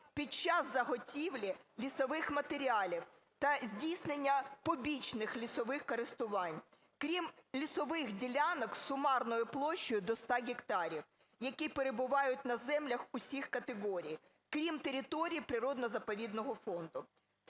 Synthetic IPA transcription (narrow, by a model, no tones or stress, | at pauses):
pʲit͡ʃɑzzɐɦɔtʲiwlʲilʲisɔʋɪxmɐt̪eɾʲiɑlʲiw | t̪ɐzʲdʲijsʲnenʲːɐpɔbʲit͡ʃnɪxlʲisɔʋɪxkɔɾɪst̪ʊʋɑnʲ | kɾʲimlʲisɔʋɪxdʲilʲanɔksʊmɑrnɔjʊplˠɔʃt͡ʃːɔjʊd̪ɔst̪ɑɡʲɪkt̪ɑɾʲiw | jɐkʲipeɾebʊʋɑjʊt̚ʲnɐzɛmlʲɐxʊsʲixkɐt̪eɦɔɾʲij | kɾʲimt̪eɾʲit̪ɔɾʲijipɾɪɾɔd̪nɔzɐpɔʋʲid̪nɔɦɔfɔnd̪ʊ